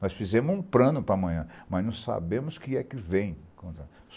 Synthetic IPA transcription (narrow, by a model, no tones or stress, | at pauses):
nɔsfizẽmʊzũpɾɐ̃nʊpɾɐmɐ̃j̃ɐ̃mɐznɐ̃sa̰bẽmʊskɪɛkɪvẽj̃kõt̪ɐ | s